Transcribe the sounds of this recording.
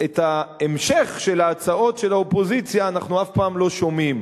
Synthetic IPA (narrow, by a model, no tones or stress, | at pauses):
et̪aemʃe̞χʃe̞laːt͡sao̞tʃe̞laopo̞zit͡sjaːnaχnuafpaːmlo̞ʃo̞mim